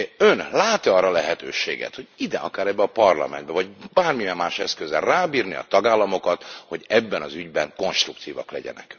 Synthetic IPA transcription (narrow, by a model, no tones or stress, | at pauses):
ønlaːt̪iɒrɒlɛɦɛt̪ø̰ːʃḛːɡɛ̰t̪hoɟid̪ɛ̰ʔɒ̰kaːɾɛbːɛɒpɒrlɒ̰mɛ̰nd̪bɛvɒɟbaːrmijɛmːaːʃɛskøzɛ̰rraːbiːrniɒ̰t̪ɒɡaːlːɒmo̞kɒt̪ho̞ɟɛbːɛnɒzyɟbɛŋko̞nʃt̪rukt̪iːvɒklɛɟɛ̰nɛ̰k